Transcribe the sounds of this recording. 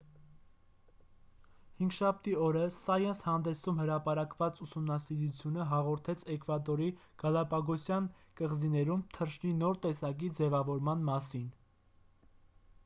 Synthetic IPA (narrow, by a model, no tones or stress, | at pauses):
hiŋɡʃɑp̚t̪iɔɾəsɑjɛnshɑnd̪ɛsumhəɾɑpɑɾɑkvɑt͡susumnɑsiɾut͡sʰjunəɦɑʁɔɾt̪ʰɛt͡sʰɛkʰvɑd̪ɔɾi | ɡ̥ɑlɑpɑɡɔsjɑn | kəʁzinɛɾumt̪ʰərʃninɔɾt̪ɛsɑk̬id͡zɛvɑvɔɾmɑnmɑsin